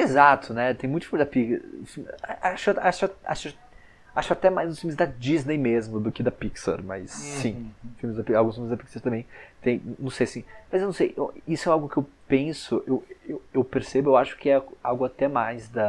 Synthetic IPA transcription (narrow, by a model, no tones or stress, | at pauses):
ezat̪ʰʊnɛt̪ẽj̃mũt̪ʊfimɪzd̪apikfimaʔaʃʊaʃʊaa̰ʃʊ | aʃʊat̪ɛmajzd̪ʊsfĩumɪzd̪ɐd͡ʒiznejmezmʊd̪ʊkɪd̪ɐpiksɐ̰ɾmɐ̰sːĩfiuwmɪzd̪ɐpiawɡũsfiumɪzd̪ɐpiksɐɾt̪ɐ̃mbẽj̃t̪ẽj̪̃nɐ̃w̃sejasĩmɐzewñw̃sejʔisʊɛawɡʊkɪewpẽsʊʔewewewpeɾsebʊewaʃʊ̥kɪɛawɡʊat̪ɛmajzd̪ɐ